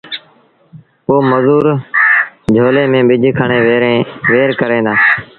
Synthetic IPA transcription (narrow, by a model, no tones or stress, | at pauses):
poːməzuːɾ | d͡ʒʱoːleːmẽːɓɪd͡ʒʱkʰəɳeːeʋeːɾkəɾẽːd̪aː